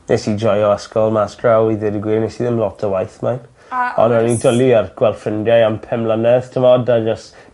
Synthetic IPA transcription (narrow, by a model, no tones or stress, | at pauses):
nḛsid͡ʒɔjɔaskɔlˠmaskrawiðɪdəɡwiːnɛsiðɪmlˠɔtʰəwajθman | ɔ̰nanidəliarɡ̥wɛlˠfrəndjajampʰɛmlanɛðtʰəmɔdad͡ʒəst